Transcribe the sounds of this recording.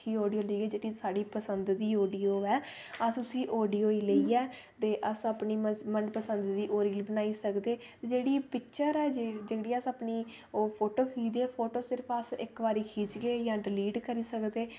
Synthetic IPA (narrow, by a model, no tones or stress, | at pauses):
iːɔːɖijoːləiːɛːd͡ʒeːɽiːsaːɖiːpəsənd̪d̪iːoːɖiːoːɛː | əsʊsĩːʔɔːɖiːoːiːləiːɛː | t̪eːʔəsəpniːmənɖpəsənd̪d̪iːʔoːɾiːlbənaːiːsəkd̪eː | d͡ʒeːɽiːpɪkʃəɾɛːd͡ʒeːɽiːəsəpniː | pʰoːʈoːkʰiːd͡ʒ̪eːpʰoːʈoːsɪɾəpʰəsɪkbaːɾiːkʰiːd͡ʒɡeːjãːɖɪliːɖkəɾiːsəkd̪eː